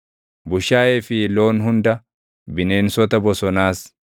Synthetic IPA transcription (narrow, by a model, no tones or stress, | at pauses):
bʊʃaːeːfɪloːnɦʊnd̪ɐ | bɪne̞ːnsɔt̪ɐbɔsɔnaːs